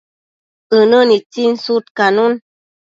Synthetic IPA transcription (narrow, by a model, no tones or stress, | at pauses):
ənənit͡sin̩sutkanun